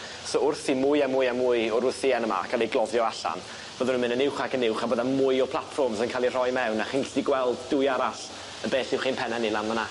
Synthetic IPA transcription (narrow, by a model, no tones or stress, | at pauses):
soʊrθimʊɨamʊjamːʊjɔɾʊθiɛnəma̰kʰalˠijɡlˠɔðjɔaɬa̰n | b̥oːðənunmɪ̃nənɪwχaɡənɪwχaboːðamʊjɔpʰlˠatfɔrmzənkʰaːlˠir̥ɔjmɛwnaχiːnsd̥iɡwɛlˠdd̥ʊjaɾaɬ | əbeːɬɪwχiːnpʰɛnanilanməna